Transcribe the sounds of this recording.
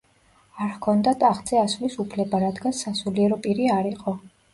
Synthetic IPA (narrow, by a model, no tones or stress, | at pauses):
aɾhkʰɔnd̪at̪ʼaχd̪t̪z̥ʼɛasvlisupʰlɛbaɾad̪ɡansasuliɛɾɔpʼiɾiaɾiqʼɔ